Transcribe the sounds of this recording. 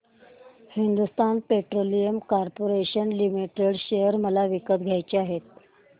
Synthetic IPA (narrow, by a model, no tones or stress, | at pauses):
hind̪ust̪anpeʈɾolijəmkaɾpoɾeɕənlimiʈeɽɕejəɾməlaʋikət̪ɡʱjajt͡ɕeaɦet̪̚